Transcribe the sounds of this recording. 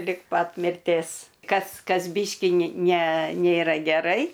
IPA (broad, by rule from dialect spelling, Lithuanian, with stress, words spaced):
lʲɪk ˈpɐt mʲɪrʲˈtʲeːs ˈkɐs ˈkɐs ˈbʲiːʃʲkʲiː nʲɪ nʲɛ ˈnʲeːrɐ ɡʲɛˈrɐɪ